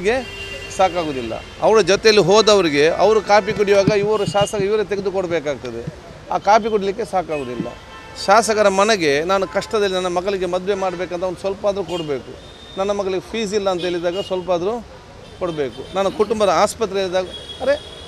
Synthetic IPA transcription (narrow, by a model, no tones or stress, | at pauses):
ɡe̞ | saːkaːɡoːd̪ilːɐ̰ | ɐʋɐɾɐd͡ʒɔt̪ejɐlːiɦoːd̪ɐʋɐɾiɡe̞ɐ̰ʋɐɾukaːpikuɽiʋaːɡɐiʋɐɾuʃaːsɐkɐiʋɐɾt̪̬eɡed̪ukɔɽbeːkaːɡ̚t̪ɐd̪e̞̰ | a̰ːkaːpikuɽilik̬ːe̞saːkaːɡoːd̪ilːɐ̰ | ʃaːsɐkɐɾɐmɐnɐɡe̞naːnukɐʂʈɐd̪ɐlːinɐnːɐmɐɡɐɭiɡe̞mɐd̪ʋe̞maːɽbeːkɐnt̪ɐʋnd̪usʋɐlpaːd̪ɐɾukoɽbe̞ːku | nɐnːɐmɐɡɐɭiɡepʰiːs̬ilːɐːnt̪ɐeɭid̪aːɡɐsʋɐlpaːd̪ɐɾu | koɽbeːkunaːnɐkuʈumbɐd̪ɐaːspɐt̪ːɾeeːɭid̪aːɡɐɐɾe̞